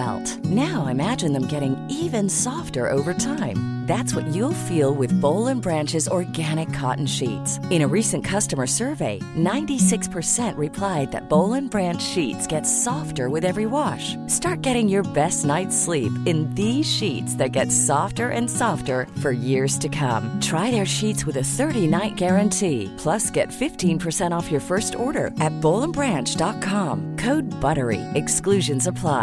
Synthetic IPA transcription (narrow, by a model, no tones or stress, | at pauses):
ʊt | naʊɪɨmæd͡ʒɨ̃nðə̃mɡɛɾɪ̃ŋivɨ̃nsɔftə˞ʔo̰ʊvə˞tʰãɪ̃m | ðætswʌt͡ʃulˠfilˠwɨðboʊlˠə̃nbɹæ̃nt͡ʃɨzɔɹɡæɾ̃ɨkʰɑ̰ʔn̩ʃḭtsɨ̃ɾ̃ɨɹisɨ̃nkʰʌstɨmə˞sɜ˞veɪnãɪ̃ntisɪkspʰə˞sɛ̃nʔɹɨpʰl̥aɪd̪̚ðɨ̰t̚b̥oʊlˠɨ̃nbɹæ̃nt͡ʃʃitsɡ̥ɛtsɔftə˞wɨðɛvɹiwɑʃstɑɹt̚ɡ̥ɛɾɪ̃ŋjə˞bɛstⁿnaɪtslipɨ̃nðiz̥ʃitsðɨt̚ɡ̥ɛtsɔftə˞ʔɨ̃nsɑftə˞fə˞jɪɹz̥tʰɨkʰʌ̰̃mtʰɹ̥aɪðə˞ʃitswɨðɨθɜ˞ɾinaɪt̚ɡ̥ɛɹɨ̃ntʰipʰl̥ʌsɡ̥ɛtfɪftʰĩnpʰə˞sɛ̃ɾ̃ɔfjə˞fɜ˞stɔɹɾə̰˞ʔɨt̚b̥oʊlˠə̃nbɹæ̃nt͡ʃd̥ɑt̚kʰɑ̃mkʰoʊd̚bʌɾə˞ḭɨksklʉʒɨ̃nzəpʰl̥aɪ